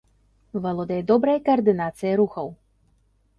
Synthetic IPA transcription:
vɐlˠɔd̪ɐjɛd̪ɔbɾɐjɐkɐɐrd̪ɨnat̪sɨjɐɾuxɐw

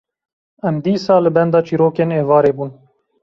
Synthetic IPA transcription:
ɛmd̪iːsɑːlɨbɛnd̪ɑːt͡ʃiːɾoːkeːneːvɑːɾeːbuːn

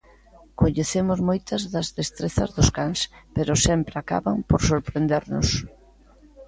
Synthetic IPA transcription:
koɲeθemʊzmojt̪ɐzðɐzðest̪ɾeθɐ̰zðʊskaŋspeɾʊsɛmpɾaka̰βaŋpoɾsoɾpɾend̪eɾnʊs

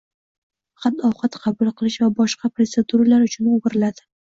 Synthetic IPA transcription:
χat̪ːɒwqɑt̪qʰɑbʊlˠqʰɨlˠɪʃvabɒʃqɑpɾot̪se̞d̪uɾalaɾʊt͡ʃʰʊnʊɡɪɾɪlad̪ɪ

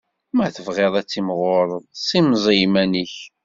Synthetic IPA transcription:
mæθəvʁeðˤæt͡sːimʁoɾˤəðˤsˤimzˤijmæniç

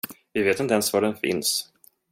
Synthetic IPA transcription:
vɪveːt̪ɪnt̪əɛnsvaɖɛnfɪ̰ns

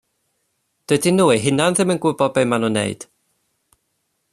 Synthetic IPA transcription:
d̥ədinuːiɦɪnanðɪmənɡʊbɔbejmanunḛɨd̥

